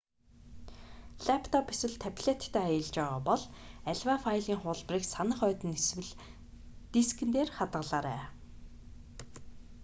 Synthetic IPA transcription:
ɮæpʰt̪ʰɔpeswɘ̆ɮt̪ʰæpʲɮet̪ːʰæːajə̆ɮt͡ɕpæːʁaːpɔɮæɮwaːfajɮiːŋχʊːɮpriːksanə̆χœːt̪ɘ̆neswɘ̆ɮ | t̪iskɘ̆nt̪eːrχat̪ʁə̆ɮaːɾæː

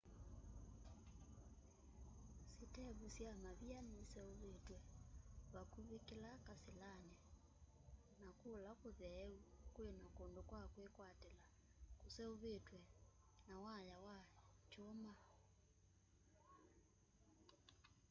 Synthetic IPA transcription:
setɛβusjamaβianesɛoβetwɛβakuβekelakaselanɛ | nakolakoðɛukwenakondokwakwekwatɛla | kosɛoβetwɛ | nawajawat͡ʃoma

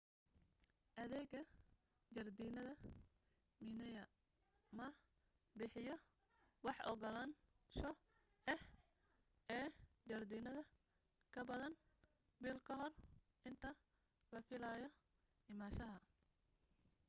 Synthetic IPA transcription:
ʔɐðɛːɡɐ | d͡ʒɐrd̪iːnɐðɐ | minɛjɐ | mɐ | bɪħɪjɔ | wɑħʔɔ̰ɣɔlan | ʃɔ | ɛh | ɛːd͡ʒɐrd̪iːnɐðɐ | kʰɐbɐðɐn | biːlkʰɐɦɔr | ʔɪnt̪ʰɐ | lɐfɪlajɔ | ɪmaːʃɐɦɐ

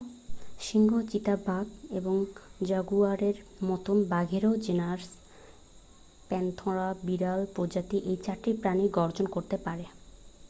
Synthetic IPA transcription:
ʃiŋɡʱot͡ɕit̪abʱaɡeboŋd͡ʑaɡuaɾeɾmɔt̪ombaɡʱeɾod͡ʑenaɾs | pɛnt̪ʰɔɾabiɾalpɾod͡ʑat̪iʔejt͡ɕaɾʈipɾaniɡɔɾd͡ʑonkoɾt̪epaɾe

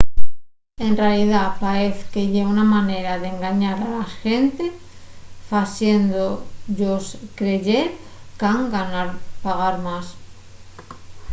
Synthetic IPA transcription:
e̞nrealiðapaeθkeʝeunamane̞ɾaðeŋɡaɲaɾalasxent̪e | fasjend̪oʎoskɾeʝeɾ | kaŋɡanaɾpaɣ̞aɾmas

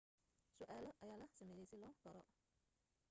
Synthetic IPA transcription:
sʊʔaːlɔʔɐjaːlɐsɐmɛːjɛjsɪlɔːɡɐɾɔ

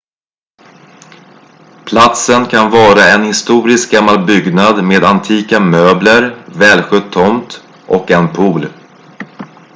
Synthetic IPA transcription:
pʰlat̪sənkʰanvɑːɾaɛnhɪst̪uːɾɪsk̚ɡamːalbʏɡnad̪meːd̪ant̪ʰiːkamøːbləɾvɛːlɧʏt̪ʰːɔmt̪ | ʔɔkɛnpʰuːl

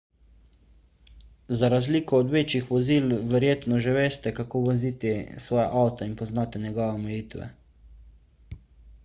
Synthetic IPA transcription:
zaɾazliːkɔːd̪ʋeːt͡ʃixʋɔziːlʋɛɾjeːt̪nɔʒɛʋeːst̪ɛkakoːʋɔziːt̪isʋɔːjɛʔawt̪ainpɔznaːt̪ɛnjɛɡɔːʋɛɔmɛjiːt̪ʋɛ̰

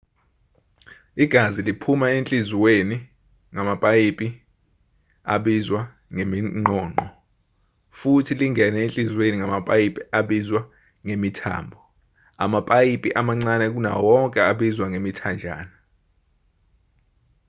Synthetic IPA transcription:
iɡ̥ʱazilipʰumaent͡ɬʼiziweni | ŋamapʼajipʼi | a̰ɓizwa | ŋemiŋ͡ǃɔːŋ͡ǃɔ | futʰiliŋʱɛnɛent͡ɬʼizweniŋamapʼajipʼiaɓizwa | ŋemitʰa̰ːmbʱɔ | a̰mapʼajipʼiʔamaŋ͡ǀanɛk̬una̰wɔŋkʼɛaɓizwaŋemitʰand͡ʒʱa̰ːna

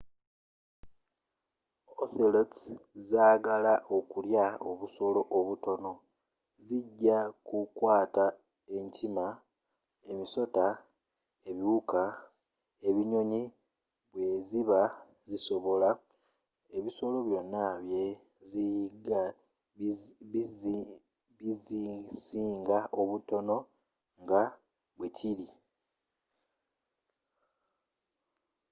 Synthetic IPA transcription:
oθelotzaːɡalaʔo̞kuljao̰βuso̞lo̞ʔoβuto̞no̞ | ziɟːakukwaːta | e̞ɲcʰima | e̞miso̞ta | e̞βiuka | e̞βiɲo̞ɲi | βwe̞ziβa | ziso̞βo̞la | eβiso̞lo̞βjo̞nːaβje̞ | ziɡa | βizisiːŋɡaʔoβuto̞no̞ | ŋɡa | βwe̞cʰili

